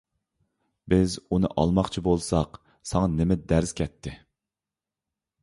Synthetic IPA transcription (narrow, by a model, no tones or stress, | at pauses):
bɪzunɨʔɑ̰lˠmɑχt͡ʃʰibolˠsɑq | sɑŋɑnɪmɪd̪æɾz̥kʲʰɛt̪ʰːɪ